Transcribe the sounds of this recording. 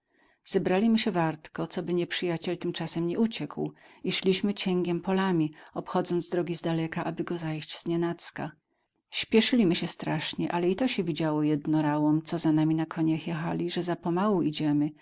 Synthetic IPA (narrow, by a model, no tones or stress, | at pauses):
z̥ɛbɾalʲimɘɕɛvaɾt̪kɔt̪sɔbɘɲɛpʂɘjat͡ɕɛlt̪ɘmt͡ʂasɛmɲɛut͡ɕɛkwiʂlʲiɕmɘt͡ɕɛŋɡʲɛmpɔlamʲiɔpxɔd̪zɔnt̪d̪ɾɔɡʲizd̪alɛkaʔabɘɡɔzajɕt͡ɕz̥ɲɛnat̪ska | ɕpʲjɛʂɘlʲimɘɕɛst̪ɾaʂɲɛʔalɛit̪ɔɕɛvʲid͡ʑawɔjɛd̪nɔɾawɔmt̪sɔzanamʲinakʰɔɲaxjɛxalʲiʐɛzapɔmawuʔid͡ʑɛmɘ